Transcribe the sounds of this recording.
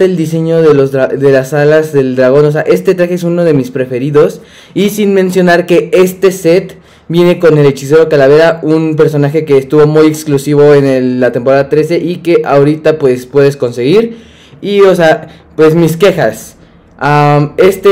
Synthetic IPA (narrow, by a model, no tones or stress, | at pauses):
eld̪ise̞ɲo̞ðe̞lozðɾaðe̞lasalazðe̞ld̪ɾaɣo̞no̞s̬e̞aʔe̞st̪e̞t̪ɾaxees̬uno̞ð̞e̞mispɾe̞fe̞ɾiðo̞s | isinmẽ̞nsjo̞naɾke̞est̪e̞se̞t̪ | bje̞ne̞ko̞ne̞le̞t͡ʃis̬e̞ɾo̞kalaβe̞ɾaunp̬e̞ɾso̞naxe̞ke̞ːst̪uβo̞mujeksklusiβ̞o̞e̞nelːat̪empo̞ɾaðat̪ɾe̞se̞ʔike̞ʔaoɾit̪apwe̞spwe̞ðe̞sko̞nseɣiɾ | io̞sea | pwe̞smiske̞xas | ame̞st̪e